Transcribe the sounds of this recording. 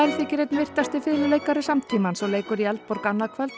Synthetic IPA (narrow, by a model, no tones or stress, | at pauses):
ɛɾθɛcɪɾejt̪nvɪr̥t̪ast̪ɪfɪðlʏleːjkaɾɪsamt̪ʰiːmansɔleːjkʏɾialt̪pɔɾkanːakʰvœlt̪